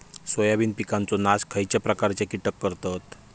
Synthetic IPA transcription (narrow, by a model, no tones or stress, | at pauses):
sʋəjaʋiːnpikant͡sɔnaskʰəjt͡ɕjapɾəkaɾt͡ɕekiʈəkːəɾt̪at̪